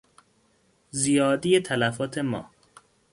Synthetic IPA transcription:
zijɒːd̪ijet̪ʰælæfɒːt̪ʰe̞mɒ̰ː

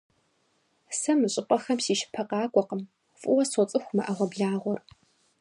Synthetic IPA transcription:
sɐmɨɕʼɪpʷʼɐxɐmsiːʃɪ̥pʰɐqɑːkʷʼɔqəm | fʼʊwɐsɔt͡sʼɨxʷmɐʔɐʁʷɐbɮaːʁʷɔr

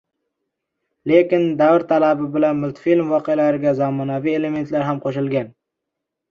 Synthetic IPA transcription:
le̞kʲɪnd̪avɾt̪ʰalabɪbɪlanmʊlt̪ʰfilmvɒqealaɾɪɡʲazamɒnavie̞le̞me̞nt̪laɾɦamqʰoʃɪlɡʲan

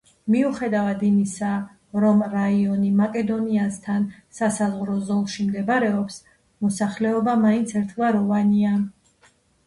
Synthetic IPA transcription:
miuχɛd̪avad̪imisa | ɾɔmɾaiɔnimakʼɛd̪ɔniast̪ʰansasazʁɾɔzɔlˠʃimd̪ɛbɾɛɔps | mɔsaχlɛɔbamaint̪sʰɛɾt̪ʰvaɾɔvania

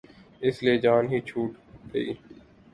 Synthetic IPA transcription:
ɪslieːd͡ʒaːnɦiːt͡ʃʰuːʈt̪ʰeiː

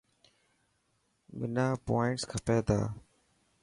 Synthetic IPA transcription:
ɓɪnaːpoːɪɳʈskʰəpeːt̪a̰ː

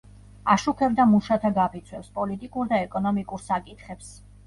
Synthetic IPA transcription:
aʃukʰɛbd̪amuʃat̪ʰaɡapʰit̪sʰwɛpspʼɔlit̪ʼikʼuɾd̪aɛkʼɔnɔmikʼuɾsakʼit̪χɛps

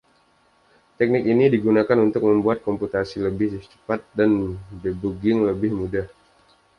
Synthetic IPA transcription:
t̪ɛk̚nɪkinidiɡunakanunt̪ʊk̚məmbuat̪̚kɔmput̪asiləbɪht͡ʃə̥pat̪̚danbəbuɡɪŋləbɪhmudah

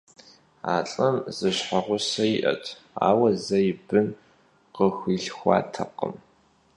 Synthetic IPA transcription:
a̰ːɬʼɐmzɨɕħɐʁʷʊsɐjiʔɐ̰tʰ | a̰ːwɐzɐjɪbɨn | qəxʷiːɬxʷɑ̰ːtʰɐqə̰m

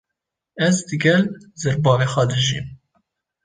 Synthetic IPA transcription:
ɛzd̪ɨɡɛlzɛɾbɑːvexʷɛd̪ɨʒḭːm

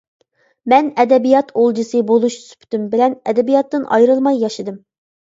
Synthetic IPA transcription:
mɛnɛd̪ɛbijɑt̪ʰolˠd͡ʒɨsɨbolˠuʃsy̥pʰt̪ymbɪlɛnɛd̪ɛbijɑt̪ːɨnʔɑ̰jɾɨlˠmɑjːɑʃɨd̪ɨm

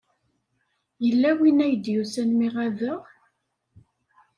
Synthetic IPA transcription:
jəlːæwinæjəd̪jusænmiʁæðəʁ

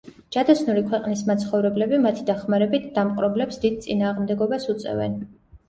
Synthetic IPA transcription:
d͡ʒad̪asʰnuɾikʰwɛqʼnismat̪sʰχɔvɾɛblɛbimat̪ʰid̪aχmaɾɛbit̪ʰd̪amqʼɾɔblɛpsd̪id̪̚t̪sʼinaːʁmd̪ɛɡɔbasut̪sʼɛ̰vɛ̰n

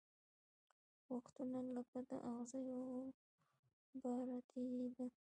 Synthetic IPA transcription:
waxt̪unalapad̪ə̰ʔaɣzajo | baɾat̪ʰeid̪a

